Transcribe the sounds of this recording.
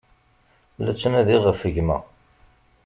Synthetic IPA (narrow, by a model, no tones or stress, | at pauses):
læt͡sːənæðiʁəfəʝmæ̰